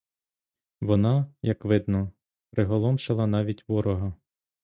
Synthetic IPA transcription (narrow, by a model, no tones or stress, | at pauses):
ʋɔnɑjɐkʋɪd̪nɔ | pɾɪɦɔlˠɔmʃɪlˠɐnɑʋʲitʲʋɔɾɔɦɐ